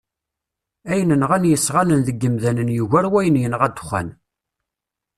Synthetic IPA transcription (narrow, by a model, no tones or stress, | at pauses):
æjnənʁænjəsːʁænənðəɡːəmðænənjuʝæɾwæjənjənʁæd̪χæ̰n